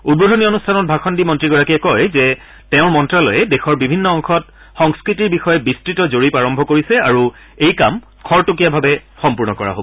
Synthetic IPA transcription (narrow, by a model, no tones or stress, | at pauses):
ud̚bodʱonionustʰanɔt̚bʱaxʰɔndimɔntɹiɡɔɹakiɛkɔjzɛ | tɛʊ̃ɹmɔntɹalɔ̰jɛdexɔɹbibʱinːɔɔŋxʰɔt | xɔŋskɹitiɹbixɔjɛbistɹitɔzoɹipaɹɔmbʱɔkoɹisɛaɹu | ejkam | kʰɔɹtokijabʱabɛxɔmpuɹnɔkɔɹa̰ɦo̰bɔ